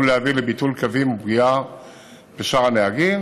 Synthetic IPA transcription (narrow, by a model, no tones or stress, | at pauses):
ulehaviʁlebitulkavimubʁia | b̥eʃaʁaneaɡim